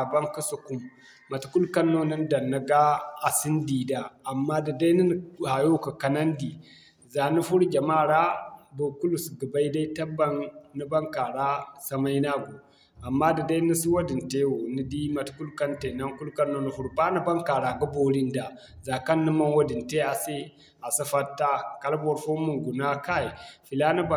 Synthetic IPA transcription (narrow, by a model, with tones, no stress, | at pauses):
a˨ba˦ŋkə˦su˨ku˦mː | a˨tu̥˨ku˦lka˦nːo˦nə˦n˦da˨nːa˨ɡa˦a˨si˦n˦di˨daː˨mːa˦di˨da˦i˦ni˦n˨ha˨jo˦˨ka˨ka˨na˦ndi˨ | za˨ni˦fu˦ɾd͡ʒa˨ma˦˨ɾa˦bo˨ku˦lu˨sɡə˨ba˦i˦da˦i˦ta˦ba˦nːə˦ba˦ŋka˨ɾa˦sa˨ma˦i˦na˦ɡu˨ | a˨mːa˦di˨da˦i˦ni˦si˦wa˦di˨nte˦wo˨ni˦di˦ma˨tku˦lka˦nte˨na˦ŋku˦lka˦nːo˨nu˨hu˦ɾba˦ni˦ba˦ŋka˨ɾa˨ɡu˦bo˦li˦nda˨ | za˨ka˦nːə˦ma˦nwa˦di˨nte˦a˨se˦ | a˨sa˦fa˦tːa˦ka˦lbo˨ɾfo˦mu˨ŋɡu˨na˦ka˦i˨fi˨la˦na˦ba˦˨